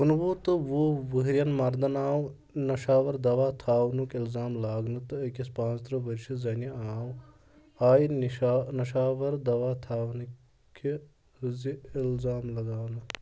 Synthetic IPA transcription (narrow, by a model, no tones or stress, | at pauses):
unbuːt̪ɨʋuʋɨɦɾjɐnmɐɾd̪ɐnaːw | nɐʃaːʋɐɾd̪ɐʋaːt̪ʰaːʋnukilzaːmlaːɡnɨt̪ɨɐkʲispãːst̪ɾɐʋɐɾʃizɐniaːw | aːjinianɐʃaːʋɐɾd̪ɐʋaːt̪ʰaːʋn | kʰi | ziilzaːmlɐɡaːwnɨ